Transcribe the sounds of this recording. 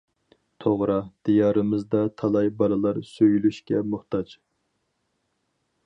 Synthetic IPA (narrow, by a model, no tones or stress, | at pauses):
t̪ʰoʁɾɑd̪̥ijɑːɾɨmɨzd̪ɑt̪ʰɑlˠɑjbɑlˠɨlˠɑɾsøjylyʃkʲɛmʊχt̪ɑd͡ʒ